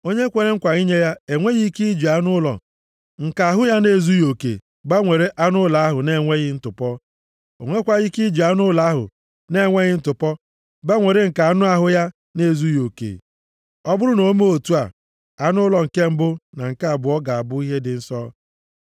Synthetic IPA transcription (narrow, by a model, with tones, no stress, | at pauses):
o˦ɲe˦kʷe˦ɾe˦ŋ̩˦kʷa˨ɣi˦ɲe˦ja˦e˨ŋʷe˦ɣi˦ki˦d͡ʒi˨a˦nʊ˦lɔ̰˨ | ŋ̩˨ka˨a˨ɦʊ˦ja˦ne˦˨zu˦jo˨kḛ˨ | ba˦ŋʷe˨ɾe˦ʔa˦nʊ˦la˨a˦ɦʊ˨ne˦˨ŋʷe˦ɣɪ˦n̩˦tʊ˨pɔ˦ | o˨ŋʷe˦kʷa˦ɣi˦ki˦d͡ʒi˨a˦nʊ˦la˨˦ɦʊ̰˨ | ne˦˨ŋʷe˦ɣɪ˦n̩˦tʊ˨pɔ˦ | ba˦ŋʷe˨ɾe˦ŋ̩˨ka˨a˨nʊ˦a˦ɦʊ˦ja˦ | ne˦˨zu˦jo˨kḛ˨ | ɔ˦bʊ˦ɾʊ˦no˨˦mo˦o˨tu˦a˨ | a˨nʊ˦lɔ˨ŋ̩˨ke˦m̩˦bʊ˦na˨ŋ̩˨ka˦a˨bʊ˨ɔ˦ɡa˨a˨bʊ˦i˦ɦe˦dɪ˨n̩˦sɔ˦